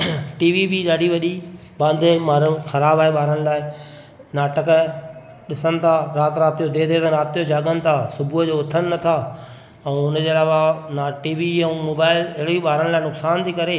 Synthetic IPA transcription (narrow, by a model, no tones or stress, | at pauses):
ʈiːʋibiɗaːɖiʋɐʄi | bãːnd̪ʱemaːɾʊ̃xɐɾaːbaːeɓaːɾəɽ̃laːɪ | naːʈək | ɗɪsənɪ̆t̪ʰaɾaːt̪ɾaːt̪ijod̪eːd̪eːt̪ãɾaːt̪ijod͡ʑaːɠənɪ̆t̪ʰasʊbʱʊd͡ʑoːʊt̪ʰənɪ̆nɐt̪ʰa | ɛ̃ːʊnd͡ʑeːɐlaːʋanaʈiːʋiɛ̃moːbaːɪlɪɦɪɽoiɓaːɾəɽ̃laːɪnʊksaːnt̪ʰiːkɐɾeː